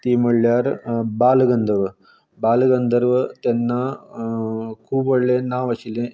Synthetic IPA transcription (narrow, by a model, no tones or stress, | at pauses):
t̪imɐɭjaːɾbaːlɡɐnd̪ʱɐʋ | baːlɡɐnd̪ɐɾʋt̪enːɐ | kuːbɐɭːenaːʋɐɕile